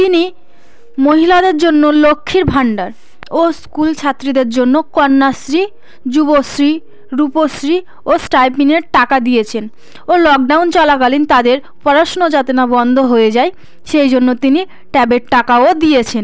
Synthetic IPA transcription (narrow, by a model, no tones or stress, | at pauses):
t̪ini | moɦilad̪eɾd͡ʑonːolokʰːiɾbʱaɳɖaɾ | oskult͡ɕʰat̪ːɾid̪eɾd͡ʑonːokɔɾnːasɾi | d͡ʑubosɾi | ɾuposɾi | osʈajpiŋeɾʈakad̪ijet͡ɕʰen | olɔk̚ɖawnt͡ɕɔlakalint̪ad̪eɾ | pɔɾaʃonod͡ʑat̪enabɔnd̪ʱoɦoed͡ʑae | ʃejd͡ʑonːot̪ini | ʈɛbeʈʈakaod̪iet͡ɕʰen